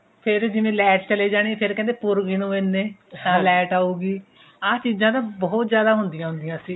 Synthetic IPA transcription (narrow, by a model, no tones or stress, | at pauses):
pʰɪɾd͡ʒɪʋẽːlɛːʈt͡ʃəleːd͡ʒaːɽ̃eːpʰɪɾkɛ̃ːnd̪eːpʊɾɡinũːẽnːeːt̪ãːlɛːʈaːuːɡiː | aːt͡ʃiːzãːt̪ãːbɔːt̪zjaːd̪aːɦʊnd̪ɪjãːɦʊ̃nd̪ijãːsĩː